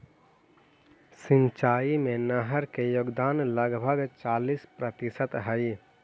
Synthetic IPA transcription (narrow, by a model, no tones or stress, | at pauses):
sɪ̃nt͡ʃaːimẽnəɦəɾkejoːɡd̪aːnləɡbʱəɡt͡ʃaːliːspɾət̪isət̪ɦəj